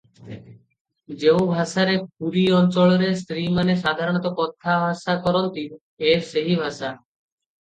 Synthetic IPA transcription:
d͡ʒeũbʱaʃaɾep̚uɾiɔnt͡ʃɔɭoɾest̪ɾimaneʃad̪ʱaɾɔɽ̃ɔt̪ɔkɔt̪ʰːabʱaʃakɔɾɔnt̪in | eɾseɦibʱaʃa

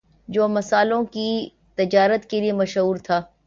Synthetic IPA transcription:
d͡ʑoːmɐsaːlõki | t̪ɐd͡ʑaːɾət̪keliemɐʃɦuːɾt̪ʰaː

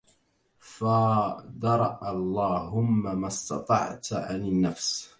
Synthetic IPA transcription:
fad̪ɑɾˤɑʔalˤːɑːhʊmːamast̪ɑ̰t̪ˤɑ̰ʕt̪ʕa̰nɪnːafs

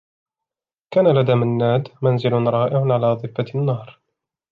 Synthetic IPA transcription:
kaːnalad̪amanːaːd̪manzɪlʊnɾˤɑːʔɪʕʊnʕalaːd̪ˤɨfːanːɑːɾˤ

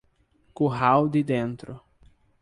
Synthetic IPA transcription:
kuɦawd̪ɪd̪ẽnt̪ɾʊ

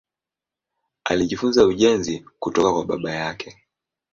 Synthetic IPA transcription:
a̰liʄifunzauʄɛnzikutɔkakwaɓa̰ɓajakɛ

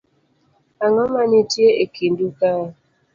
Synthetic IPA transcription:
aŋɔmanitjeekinduka

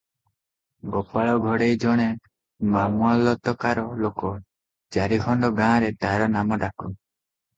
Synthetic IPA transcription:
ɡɔpaɭɔɡʱɔɽejd͡ʒɔɽ̃e | mamualɔt̪ɔkaɾɔlokɔ | d͡ʒaɾiɡʱɔɳɖɔɡãːɾet̪aɾɔnamɔɖaku

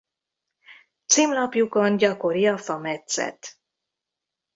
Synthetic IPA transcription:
t̪siːmlɒpjuko̞nɟɒko̞ɾiɒfɒmɛt̪sɛ̰t̪

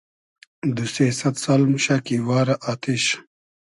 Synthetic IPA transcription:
d̪useːsɐt̪sɐlmɕakiwaːɾɐʔat̪ʰiɕ

